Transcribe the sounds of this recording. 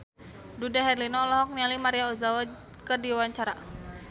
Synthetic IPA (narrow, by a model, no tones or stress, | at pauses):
dudaɦɛrlinɔlɔɦɔk̚nialimaɾiaɔzawa | kərdiwaɲt͡ʃaɾa